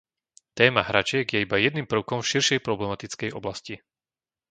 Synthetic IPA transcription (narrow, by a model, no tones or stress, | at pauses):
t̪ɛːmaɦɾat͡ʃɪɛɡjɛibajɛd̪niːmpr̩ʊkɔmfʃiɾʃɛjpɾɔblɛmat̪it͡skɛjɔblasci